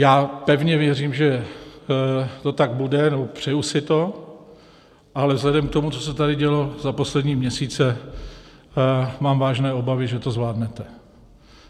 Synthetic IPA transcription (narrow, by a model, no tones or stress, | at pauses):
jaːpɛvɲɛvjɛriːmʒɛ | t̪o̞t̪aɡ̚budɛnɛbopr̝̥ɛjusɪt̪o̞ | ʔalɛvzlɛdɛmk̚t̪omut͡so̞sɛt̪adɪɟɛlo̞zapo̞slɛdɲiːmɲɛsiːt͡sɛ | maːmvaːʒnɛːo̞bavɪʒɛt̪o̞zvlaːdnɛt̪ɛ